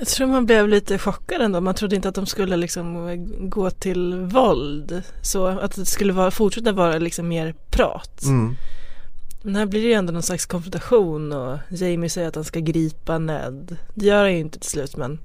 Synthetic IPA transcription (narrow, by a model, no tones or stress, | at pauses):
jɑt̪ʰɾuːɾmanblɛvliːt̪əɧɔkːad̪ɛnd̪oːmant̪ʰɾʊd̪ːəɪnt̪əat̪̚d̪ɔmskɵlːəlɪksɔmɡoːt̪ʰɪlvɔld̪soat̪d̪ɛskɵlːəvɑːɾafʊʈʂɛt̪ːavɑːɾalɪksɔmːeːɾpʰɾɑ̰ːt̪ | mɛnhæːbliːɾɛjəɛnd̪oːnɔnslakskʰɔnfɾɔnt̪aɧuːnɔjɛjmɪsɛjːəɾat̪hanskaɡɾiːpanɛ̰d̪d̪ɛjœːɾhanjəʏɪnt̪ət̪ʰɪ̥l̥slʉ̟ːt̪mɛn